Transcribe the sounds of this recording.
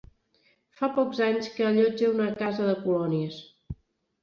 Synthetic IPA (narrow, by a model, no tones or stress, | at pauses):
fapɔkzaɲskəʎɔd͡ʒəunəkazəðəkulɔniəs